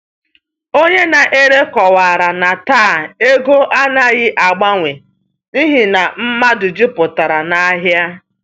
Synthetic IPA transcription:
o˦ɲe˦na˨ʔe˦ɾe˦kɔ˨wa˨ɾa˨na˨taː˦˨e˦ɡo˦ʔa˦na˨ɣɪ˦ʔa˨ɡ͡ba˦ŋʷe˨ | ni˦ɦi˨na˨m̩˦ma˦dʊ˨d͡ʒɪ˦pʊ˨ta˨ɾa˨na˦ɦja˦

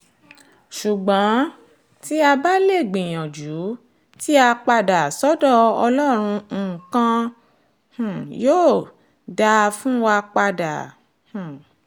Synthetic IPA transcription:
ʃu˨ɡ͡bã˨˦ | ti˦a˧ba˦le˦˨ɡ͡bĩ˨j̃ɔ̃˨d͡ʒu˨˦ | ti˦a˧k͡pa˧da˨sɔ˦dɔ˦˨ɔ˧lɔ˦ɾ̃ũ˧˦˨kã˧ | h̩˨joː˦˨ | da˧fũ˦wa˧k͡pa˧da̰˨ | hũ˨

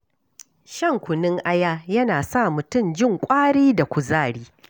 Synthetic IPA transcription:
ʃɐ˦ŋkʷʊ˨nɪ˦ŋʔa˦jaː˦jɐ˦naː˨sa˦˨mʊ˨tʊ˦˨md͡ʒɪ˦˨ŋkʷʼaː˦ɽiː˦da˨kʷʊ˨zaː˦˨ɽiː˦

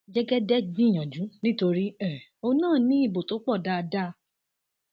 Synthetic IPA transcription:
d͡ʒɛ˦ɡɛ˦dɛ˦bĩ˦˨j̃ɔ̃˨d͡ʒũ˨˦nĩ˦to˧ɾi˦ɛ˨o˦˧nãː˦˨nĩ˨˦i˦˨bo˨to˨˦k͡pɔ˦˨da˦˧da˦˧

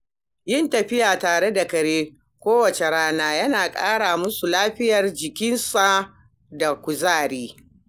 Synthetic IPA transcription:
jɪ˦ntɐ˨ɸɪ˦jaː˨taː˨ɽe˦da˨kɐ˨ɽeː˦ | kʷoː˦wɐ˨t͡ʃe˨ɽaː˦naː˦jɐ˦naː˨kʼa̰ː˦ɽaː˨mʊ˦su˨laː˦ɸɪ˦jɐ˨rd͡ʒɪ˨kʲɪ˦nsa˨ | da˨kʷʊ˨zaː˦˨ɽiː˦

